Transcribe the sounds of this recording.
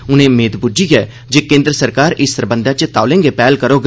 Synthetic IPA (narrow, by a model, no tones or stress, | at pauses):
ʊnẽːmeːd̪bʊd͡ʒiːɡɛː | d͡ʒeːkẽːnd̪ɾəsəɾkaːɾɪsːəɾbə̃nd̪aːt͡ʃt̪aːʊlẽːŋɡeːpɛːlkəɾoːɡ